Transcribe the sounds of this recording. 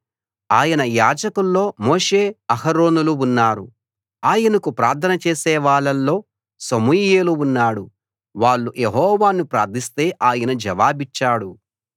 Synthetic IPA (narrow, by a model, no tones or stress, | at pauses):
aːjɐnɐjaːd͡ʒɐkulːo̞ːmo̞ːʂe̞ːɐhɐɾo̞ːnuluunːaːɾu | aːjɐnɐkupɾaːɾt̪ʰɐnɐt͡ʃeːsɛːʋaːɭːɐlːo̞ː | sɐmujeːluunːaːɽu | ʋaːɭːujeɦɔːʋaːnupɾaːɾd̪ʰʱist̪e̞ːʔaːjɐnɐd͡ʒɐʋaːbit͡ʃːaːɽu